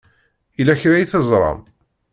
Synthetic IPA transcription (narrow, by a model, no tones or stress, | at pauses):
ilæçɾæjiθəzˤɾˤɑ̰m